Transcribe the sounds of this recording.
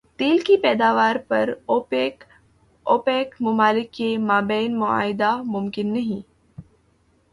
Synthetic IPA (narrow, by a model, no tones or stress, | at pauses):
t̪eːlkipɛːd̪aːʋaːɾpɐɾ | oːpeːkmʊmaːlɪkːemaːbɛːnmʊa̰ːɦɪd̪amʊmkɪnːɐɦĩː